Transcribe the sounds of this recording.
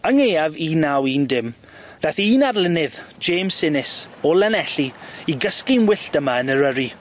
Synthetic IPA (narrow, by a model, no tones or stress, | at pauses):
əŋeaviːnawiːndɪm | d̥aθiːnadlˠɪnɪðd͡ʒeːmsɪnɪs | ɔlɛnɛɬiiɡəskɪnwɪɬd̥əmaənəɾəɾi